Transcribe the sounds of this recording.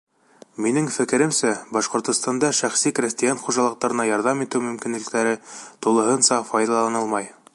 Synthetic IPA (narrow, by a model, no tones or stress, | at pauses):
minɘŋfɘ̆kɘ̆ɾɘmsæbɑʃqŏɾt̪ŏst̪ɑnd̪ɑʃæχsikɾʲesʲt̪ijɑnχuʒɑlˠɤ̆q̚t̪ɑɾɤ̆nɑjɒɾðɑmit̪ɘwmɵ̆mkinlɘ̆kt̪æɾɘt̪ulˠɤ̆ɦɤnsɑfɑjd̪ɑlˠɑnɤlˠmɑj